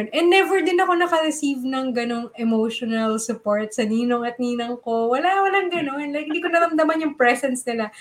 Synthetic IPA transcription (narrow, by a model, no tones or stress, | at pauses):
nʔɛnːɛvɛɹd̪ɪnɐko̞nɐkɐɾɛsivnɐŋɡɐno̞ŋɛmowʃonɐlsʊpoɹt̪̚sɐniːnoŋɐt̪̚niːnoŋko̞wɐlawɐlɐŋɡɐno̞nlɐjk̚ɪ̃nd̪iːkonɐɾɐmd̪ɐmanjʊŋpɹɛsɛnsnɪla